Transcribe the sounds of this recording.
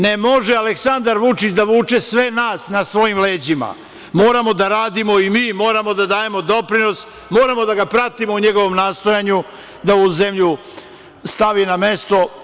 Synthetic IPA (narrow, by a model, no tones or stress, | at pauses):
nemo̞ʒealeksand̪aɾʋut͡ʃit͡ɕd̪aʋuːt͡ʃesʋe̞naːsnasʋo̞jimle̞ːd͡ʑima̰ | mo̞ːɾamo̞d̪aɾaːd̪imo̞imiːmo̞ːɾamo̞d̪ad̪aːje̞mo̞d̪o̞pɾino̞s | mo̞ːɾamo̞d̪aɡapɾat̪imo̞uɲe̞ɡo̞ʋo̞mnaːst̪o̞jaɲu | d̪auze̞mʎu | st̪aʋiname̞st̪o̞